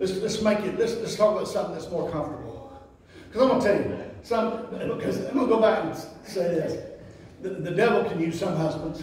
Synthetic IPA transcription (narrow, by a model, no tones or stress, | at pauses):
ɨtslɛtsmaɪkɪtlɨslɨtstʰɔkaɪtsʌ̃mθɪ̃ŋðɨtsmɔɹkʰʌ̃ɱftə˞bl̩ˠ | kʰʌzãɪ̃mʌ̃tʰeɪjɨwḛɪsʌ̃mkʰʌzwil̩ˠɡoʊbækɨ̃nseɪðɪs | ðɨðɨdɛvl̩ˠkʰɨ̃njʉz̥sʌ̃mɦʌzbə̃ndz̥